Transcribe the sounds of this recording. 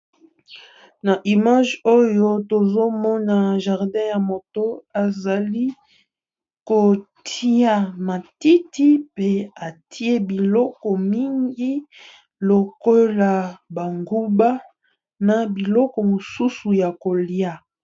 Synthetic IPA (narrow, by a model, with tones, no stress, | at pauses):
na˨ʔi˨ma˦ʒo˦jo˦to˨zo˦mɔ˦na˨ʒa˨ʁdɛ̃˦ja˨mo˨to˦a˨za˨li˦ | ko˨tʰi˦a˨ma˨ti˦ti˦pe˦a˨tʰi˦e˦bi˨lɔ˦kɔ˨mi˦ŋɡi˦ | lo˨ko˦la˨ba˨ŋɡu˦ba˦ | na˨bi˨lɔ˦kɔ˨mo˨su˦su˨ja˨ko˨li˦a˦